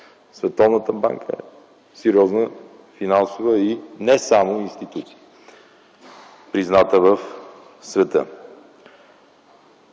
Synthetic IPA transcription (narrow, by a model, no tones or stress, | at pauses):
svɛt̪ɔvnət̪əba̰ŋkʰə̰ɛ̰ | sɛɾiɔznə | finansovəinɛsamoinst̪it̪ut̪i̥ | pɾiznat̪əvəf | svɛt̪ə̰